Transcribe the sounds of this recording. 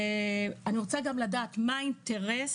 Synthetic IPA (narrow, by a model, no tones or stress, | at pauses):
aniʁot͡saɡamladaːtmainteʁes